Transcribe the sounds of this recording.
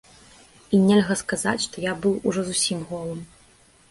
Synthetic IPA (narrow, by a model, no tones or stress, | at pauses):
inʲɛlʲɣɐskaza̰t͡sʲʂt̪ɔjabɨwuʐɔzusʲimɣɔlˠɨm